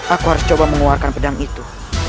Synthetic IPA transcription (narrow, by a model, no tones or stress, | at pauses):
ʔakuɦaɾʊst͡ʃobaməŋuarkanpədaŋit̪u